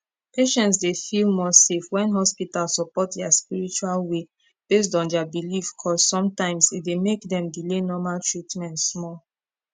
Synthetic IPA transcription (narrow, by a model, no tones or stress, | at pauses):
peʃɛ̃ntsdefilmɔsefwɛ̃nɦɔspitalsɔpɔtdɛaspiɹit͡ʃualwe | b̥es̬tɔ̃ndɛabilifkʰɔzsɔ̃mtãɪ̃msit̚demekdɛ̃mdilenɔmaltɹitmɛ̃ntsmɔl